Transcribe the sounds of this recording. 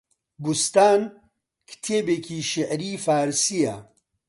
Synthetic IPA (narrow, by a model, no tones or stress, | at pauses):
bust̪aːn | kʰt̪ʰeːbekʰiːʃɪʔɾiːfaːɾsija